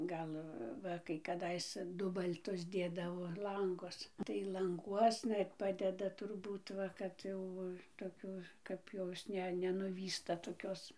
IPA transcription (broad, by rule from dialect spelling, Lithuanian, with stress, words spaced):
ˈɡɐlˠ ˈʋɐ kɐɪ kɐˈdɐɪs ˈdʊbɐlʲtʊs ˈdʲeːdɐʋoː ˈlˠɐŋɡʊs tɐɪ lˠɐŋˈɡuɔsnɐ ɪr ˈpɑːdʲɛdɐ tʊrˈbuːt ˈʋɐ kɐt ˈjɛʊ toːˈkʲuː kɐp ˈjoːs ˈnʲɛ nʲɛnʊˈʋʲiːstɐ toːˈkʲoːs